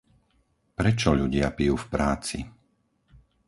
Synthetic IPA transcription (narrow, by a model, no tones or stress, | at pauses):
pɾɛt͡ʃɔʎuɟɪapijuːfpɾaːt͡sḭ